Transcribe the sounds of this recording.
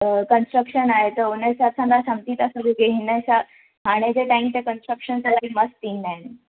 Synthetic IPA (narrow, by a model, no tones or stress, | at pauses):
kənsʈɾəkʂənaɦet̪əɾonəsasʰãnd̪asəmt̪iːt̪asəɡiɡeɦnəsa | ɦaɽ̃ed͡zeʈaimt̪ekənsʈɾəkʂənt͡salaikməst̪iɦnen